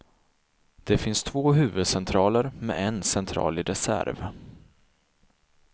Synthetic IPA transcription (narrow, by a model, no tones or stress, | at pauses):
d̪̥ɛfɪnst̪ʰvoːɦʉ̟ːvɵd̪sɛnt̪ʰɾɑːləɾmɛ̰ɛnsɛnt̪ʰɾɑ̰ːlɪɾɛsæ̰ɾv